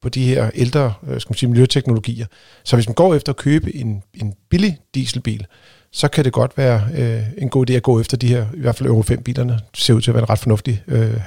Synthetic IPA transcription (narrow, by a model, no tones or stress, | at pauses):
pʰɒ̽d̥ihe̝ɐ̰eld̥ʁɐsɡ̥æmænsiːmiljøt͡sʰeɡ̥no̝lo̝ɡ̥ḭːɐ | sɒ̽ʋesmænɡ̥ɒ̰ːefd̥ɐɒ̽kʰøːb̥əʔe̝ne̝nb̥ilid̥ḭːsl̩b̥ḭːl | sɒ̽kʰæd̥e̝ɡ̥ɒ̽d̥ʋæːɐe̝nɡo̝̰ːid̥e̝̰ːæɡ̥ɔ̰ːefd̥ɐd̥iheɐiʋæɐdfælʔøʊʁofem̰b̥ḭːlʔɐnəse̝ɐuð̰ˠt͡sʰeæʋæɐenʁɑ̈d̥fɒ̽nɔ̽fd̥iø